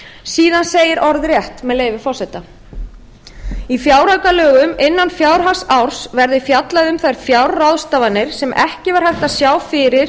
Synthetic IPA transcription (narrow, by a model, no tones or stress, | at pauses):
siːðanseːjɪɾʔɔɾðrjɛht̪mɛðleːjvɪfɔrsɛt̪a | ifjaːwɾawkalœːɣʏmɪnːanfjawɾ̥ɦasawɾ̥svɛɾðɪfjat̪laðʏmθajɾ̥fjawɾrawðst̪aːvanːɪɾ̥sɛmʔɛ̰hcɪvaɾhajht̪asjaːwfɪɾɪɾ̥